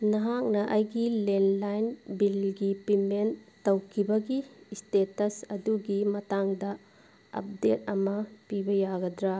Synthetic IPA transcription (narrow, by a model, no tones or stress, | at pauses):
nɐɦak̚nɐʔajɡilenlajnbilɡipimenː | ɐwkʰibɐɡistetɐsɐduɡimɐtaŋdɐ | ɐ̰p̚det̚ɐmɐpibɐjaɡɐdɾa